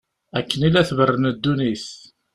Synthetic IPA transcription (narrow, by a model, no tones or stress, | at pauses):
ækːənilæθvərːənəd̪ːuniθ